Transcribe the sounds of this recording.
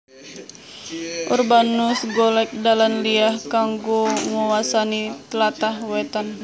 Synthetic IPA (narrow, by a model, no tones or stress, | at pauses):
ʔṵrbanusɡɔlɛk̚dalanliahkaŋɡoŋɔwasanit̪əlat̪ahwɛt̪an